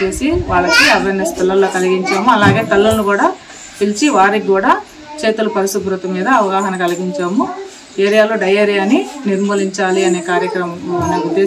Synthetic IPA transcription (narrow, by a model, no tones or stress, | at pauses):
t͡ʃeːsiʋaːɭːɐkiɐɾʋɐnɐspʰilːɐlo̞ːkɐliɡiɲt͡ʃaːmuɐlaːɡe̞ːt̪ɐlːulnukuːɽaː | pilt͡ʃiʋaːɾikɡuːɽaː | t͡ʃeːt̪ulɐpɐɾisubɾut̪ɐmiːd̪ɐːʋɐɡaːɦɐnɐkɐliɡiɲt͡ʃaːmu | eːɾijaːloːɖɐjaːɾijaːniniɾmɐːliɲt͡ʃaːliɐne̞ːkaːɾjɐkɾɐmɐɐneːud̪ːeː